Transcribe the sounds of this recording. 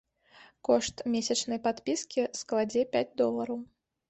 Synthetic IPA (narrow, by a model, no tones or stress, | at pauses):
kɔʂt̪mʲesʲɐt͡ʂnɐjpat̪pʲiskʲisklˠad͡zʲɛpʲad͡zʲd̪ɔlˠɐɾɐw